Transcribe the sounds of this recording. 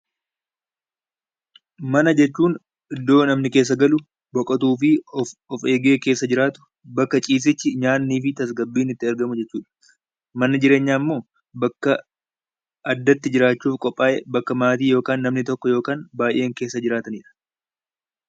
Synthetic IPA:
mɐnɐd͡ʒɛt͡ʃːuːn | ʔɪd̪ːo̞ːnɐmnɪke̞ːs̬ːɐɡɐlʊ | bɔkʼɐt̪uːfɪɔfe̞ːɡe̞ːkeːsːɐd͡ʒɪɾaːt̪ʊ̥ | bɐkːɐt͡ʃʼiːs̬ɪt͡ʃːɪɲaːnːiːfɪt̪ɐsɡɐbːiːnɪt̪ːɪɐɾɡɐmʊd͡ʒɛt͡ʃːuːᶑɐ̥ | mɐnɐd͡ʒɪɾe̞ːɲːaːɪmːo̞ː | bɐkːɐ | ɐd̪ːɐt̪ːɪd͡ʒɪɾaːt͡ʃːuːfkʼɔpʼːaːʔɛbɐkːɐmaːt̪̬iːjo̞ːkaːnːɐmnɪt̪ɔkːɔjo̞ːkaːnbaːjʔe̞ːŋke̞ːsːɐd͡ʒɪɾaːt̪ɐniᶑɐ̥

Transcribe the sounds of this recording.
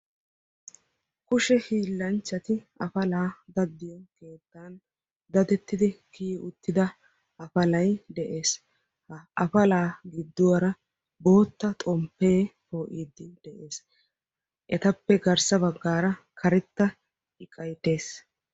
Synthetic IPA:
kʊʃɛhiːlːɐnt͡ʃːɐt̪ɪɐfɐlaːd̪ɐd̪ːɪjɔke̞ːt̪ːaːn | d̪ɐd̪ɛt̪ːɪd̪ɪkiːʊt̪ːɪd̪ɐ | ɐfɐlɐjd̪ɛʔe̞ːs | ɐɐfɐlaːɡɪd̪ːʊwɐɾɐ | bo̞ːt̪ːɐt̪ʼɔmpːe̞ːfoːʔiːd̪ːɪd̪̥ɛʔe̞ːs | ʔɛt̪ɐpːɛɡɐɾsɐbɐɡːaːɾɐ | kʰɐɾɛt̪ːɐ | ɪkʼɐjt̪e̞ːs

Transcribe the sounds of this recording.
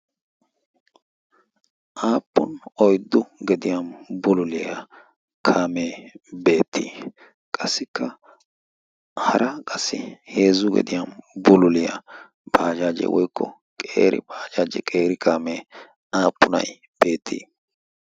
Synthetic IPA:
ʔaːpːʊnɔjd̪ːʊɡɛd̪ɪjambʊlʊlɪjɐ | kʰaːmeːbe̞ːt̪ːḭː | kʼɐsːɪkʰːɐ | hɐɾʔɐkʼɐsːɪhe̞ːzʊɡɛ̰d̪ɪjaːmbʊlʊlɪjɐ̰ | b̥aːd͡ʒaːd͡ʒɛ̰wɔjkʰːɔ̰ | kʼḛːɾʔɪ̰b̥aːd͡ʒaːd͡ʒɛ̰kʼeːɾɪkʰaːmeː | aːpːʊnɐ̰j | b̥e̞ːt̪ʰːḭː

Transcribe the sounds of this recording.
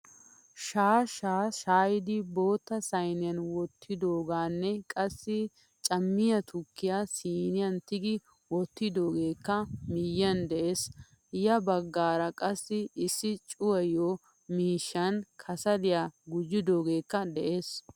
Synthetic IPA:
ʃaːʃaːʃaːjɪd̪ɪbo̞ːt̪ːɐsɐjnɪjɐnwɔt̪ːɪd̪oːɡaːnːɛkʼɐsːɪ | t͡ʃʼɐmːɪjɐt̪ʰʊkːɪjaːsiːnɪjɐnt̪ɪɡɪ | wɔt̪ːɪd̪o̞ːɡe̞ːkːɐmɪjːɐnd̪ɛʔeːs | jɐbɐɡːaːɾɐkʼɐsːɪɪsːɪt͡ʃʼʊwɐjoː | miːʃːɐnkʰɐsɐd̪ɪjaɡʊd͡ʒɪd̪oːɡe̞ːkːɐd̪ɛʔe̞ːs

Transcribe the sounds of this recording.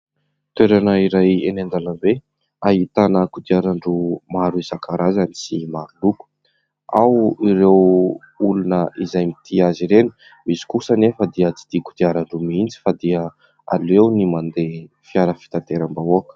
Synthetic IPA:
t̪eɾanəiɾajenend̪aləmbe | aɦit̪anəkud̪iaɾaɳɖ͡ʐumaɾuizakaɾazanisimaɾuluku̥ | a̰wiɾew | ulunəʔizajmit̪ʰiaziɾenu̥ | misi̥kusənefəd̪iət͡si̥d̪̥iku̥d̪iaɾaɳɖ͡ʐumind͡zi̥fad̪iə | a̰lewnimand̪e | fiaɾəfi̥t̪at̪eɾambauakə̥

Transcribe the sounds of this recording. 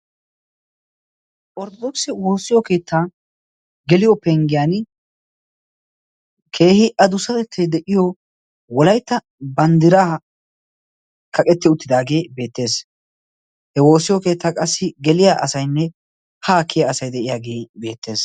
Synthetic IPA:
ʔɔɾt̪ɔd̪oːksɪwo̞ːsːɪjɔke̞ːt̪ːaː | ɡɛlɪjɔpɛŋɡɪjaːn | kʰe̞ːhɪʔɐd̪ʊsɐt̪ɛt̪ʰːɛd̪ɛʔɪjɔ | wɔlɐjt̪ːɐ | bɐnd̪ɪɾaː | kɐkʼɛt̪ːɪʊt̪ːɪd̪aːɡe̞ːbe̞ːt̪ːe̞ːs | hɛwo̞ːsɪjɔke̞ːt̪ːaːkʼɐsːɪɡɛlɪjaːʔɐsɐjnːɛ | haːkʰːɪjaɐsɐjd̪ɛʔɪjaːɡe̞ːbe̞ːt̪ːe̞ːs

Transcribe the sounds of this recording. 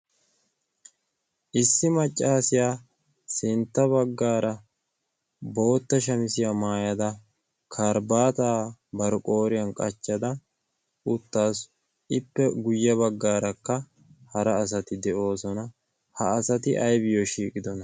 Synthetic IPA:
ʔɪsːɪmɐt͡ʃʼːaːsɪjaː | sɪnt̪ːɐβɐɡːaːɾɐ | bo̞ːt̪ːɐʃɐmɪsɪjamaːjɐd̪ɐ | kʰɐɾbaːt̪aːbɐɾɔkʼo̞ːɾɪjɐnkʼɐt͡ʃːɐd̪ɐ | ʊt̪ːaːs | ɪpːɛɡʊjːɐβɐɡːaːɾɐkːɐ | hɐɾɐːs̬ɐt̪ɪd̪ɛʔo̞ːsɔnɐ | hɐːsɐt̪ɪʔɐjbɪjoʃiːkʼɪd̪ɔnɐ

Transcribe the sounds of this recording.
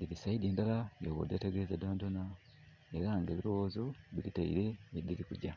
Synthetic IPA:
diɾisaidiːndalajoβo̰deteɡezadaːndona | eɾaŋɡeβiɾowoːzoβiɾitaḭɾe̞ːdiɾikuɟa

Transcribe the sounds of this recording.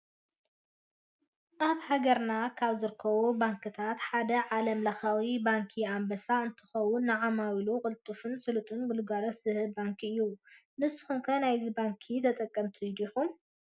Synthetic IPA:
ʔaβhaɡɐɾnakʰaβzɨɾɨkʰːɐβubaŋkʰɨt̪ʰat̪ħad̪ɐʕalɐmlɐxawibaŋkʰiambɐsaɨnt̪ʰɨ̥xɐwʊnːɨʕamawilukʼɨlt̪ʼufɨnsɨlut̪ʼɨnɡɨlɡalɐsz̥ɨhɨlbaŋkʰiɨjːunɨsɨ̥xumkʰɐnajzibaŋkʰit̪ʰɐt̪ʼɐkʼːɐmt̪ʰiid̪ixum

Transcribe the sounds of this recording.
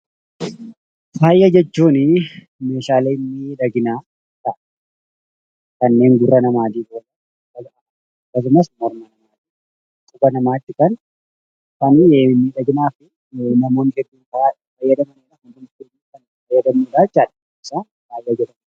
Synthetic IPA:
faːjːɐd͡ʒɛt͡ʃːuːnɪ | me̞ːʃaːleːɪnːɪᶑɐɡɪnaː | t̪ɐʔɐ̥ | kɐnːe̞ːŋɡʊrːɐnɐmaːd̪iːboːlɐ | ɐkːɐɡɐʔɐ | ɐkːɐs̬ʊmɐsmɔɾmɐnɐmaːt̪iː | kʼʊbɐnɐmaːt̪ːɪkɐn | kɐnnːiᶑɐɡɪnaːfɪ | nɐmo̞ːnhɛd̪ːuːnkɐaː | fɐjːɐd̪ɐmɐnɪnɐkɐd̪ʊnɪnːuːkɐn | fɐjːɐd̪ɐmuːᶑaːt͡ʃːaːᶑɐ | ɪsaː | faːjːɐd͡ʒɛᶑɐm

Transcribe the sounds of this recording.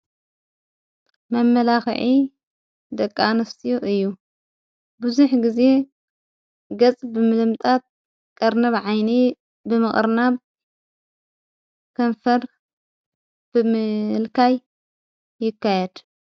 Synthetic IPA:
mɐmːɐlaxʕi | d̪ɐkʼːanɐst̪ʰijuʔɨjːu | bɨzuħɡize̞ | ɡɐt͡sʼbɨmɨlɨmt̪ʼat̪̚ | kʼɐɾnɐβʕajni | bɨmɨχʼɨɾnaβ | kʰɐnfɐɾ | b̥ɨmɨlkʰajː | ɪkːajɛd̪̥

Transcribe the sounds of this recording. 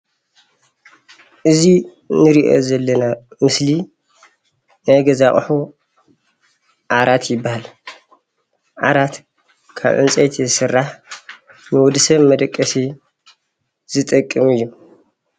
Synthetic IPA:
ʔɨzi | nɨɾiʔo̰zɐlːɐnamɨsli | najɡɐzaχʼħu | ʔaɾat̪jɪbːahal | ʔa̰ɾat̪ | kʰa̰βʔɨ̰nt͡sʼɐjt̪ʰizɨsɨrːaħ | nɨwɔd̪ɨsɐβmɐd̪ɐkʼːɐsi | z̥ɨt̪ʼɐkʼːɨmɨjːu

